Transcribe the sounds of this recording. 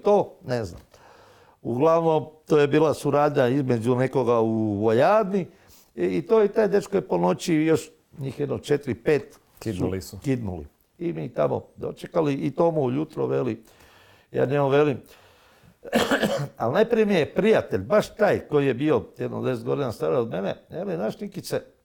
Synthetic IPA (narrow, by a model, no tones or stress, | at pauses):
t̪oːnezna̰m | ṵɡlˠaʋno̞mt̪oːje̞biːlˠasuɾaːd̪ɲaizme̞d͡ʑune̞ko̞ɡauʋojaːd̪ni | it̪ojet̪aːjd̪et͡ʃkojepo̞no̞t͡ɕijo̞ʃ | ɲiːxjed̪not͡ʃet̪ɾipe̞ːt̪ | kiulisukid̪nṵlḭ | imit̪a̰mo̰d̪o̞̰t͡ʃekaliit̪omuujut̪ɾo̰ʋeli | ja̰ːɲemoʋe̞lim | alnajpɾijemiepɾijat̪e̞ʎʲbaʃt̪aːjko̞jije̞bio̞jed̪no̰d̪es̬et̪ɡo̞d̪inast̪aɾaod̪menḛelinaʃnikise